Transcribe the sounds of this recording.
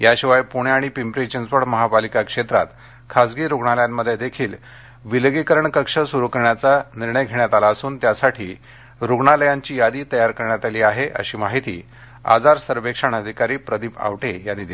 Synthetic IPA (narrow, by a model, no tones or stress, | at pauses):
jaɕiʋajpuɽeaɽ̃ipimpɾet͡ɕənd͡zpəɽməɦapalikakʂet̪ɾa̰t̪ | kʰasɡiːɾuɡɳaljammːəd̪ʱːjed̪ekʰiːl | ʋiləɡikəɾəɳkəkʂəsuɾukəɾɳjat͡saniɾɳəjɡʱeɳjat̪alaəsuːnt̪jasaʈʰiː | ɾuɡɳaləjaɲt͡ɕiːjad̪iːt̪əjaɾkəɾɳjat̪aliːaɦeʔə̰ɕiːmaɦit̪ḭː | a̰d͡zaɾsəɾʋekʂəɳəd̪ʱikaɾiːpɾəd̪ʱiːpa̰ʋʈejanːiːd̪e